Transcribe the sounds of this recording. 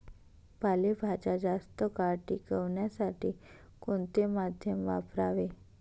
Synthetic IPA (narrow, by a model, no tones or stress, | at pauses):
palebʱad͡ʑad͡zast̪əkaɾʈḭːkəʋɳjasaʈiː | koɳt̪emad̪ʱjəmʋa̰pɾaʋe